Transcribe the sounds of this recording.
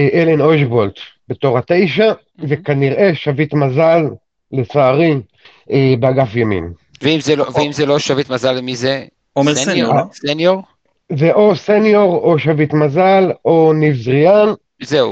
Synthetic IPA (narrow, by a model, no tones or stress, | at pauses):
ʔelenoʃbolt̪b̥e̞t̪o̞ʁhat̪ejʃa | vekaniʁʔe̞ʃavit̪mazalː | et͡saːʁi | ebeaɡafjamḭmveimzeloveimzeloʃavit̪mazalmize | senjoʁ | zeʔosenjo̞ʁoʃavit̪mazalo̞nivzʁian | zeu